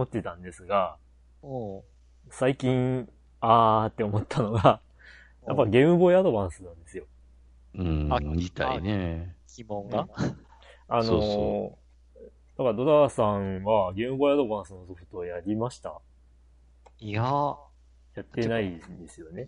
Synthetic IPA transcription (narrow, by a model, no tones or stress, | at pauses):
mo̞t̪ːe̞t̪ãnd̪e̞sɨɡã | saikʲĩɴ | aːt̪ːe̞o̞mo̞t̪ʰːano̞ɡa | japːaɡe̞ːmɯ̟bo̞iad̪o̞bãɰ̃sɨnãnd̪e̞sɨjo̞ | ɯ̃it̪a̰inekʲʰimõŋɡa | ano | d̪akaɾad̪o̞d̪asãɰβaɡe̞ːmɯ̟bo̞iad̪o̞bãɰ̃sɨno̞so̞ɸɯ̥t̪o̞jaɾʲimaɕi̥t̪a̰ | a | jat̪ːenaind̪e̞sɨjo̞ne̞